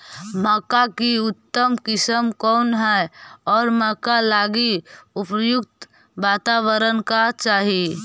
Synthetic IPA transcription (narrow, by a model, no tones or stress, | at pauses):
məkakiʊt̪ːəmkɪsəmkɔːnɦɛɔːɾməkalaːɡiʊpjʊk̚t̪ | ʋaːt̪awəɾənkat͡ʃaːɦi